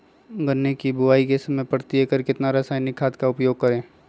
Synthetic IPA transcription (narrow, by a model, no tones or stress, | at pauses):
ɡənːekibʊʋaːikesɐməejpəɾt̪iekəɾkɪt̪naɾɐsaːnɪkʰaːt̪kaʊpjoːɡ̚kəɾẽː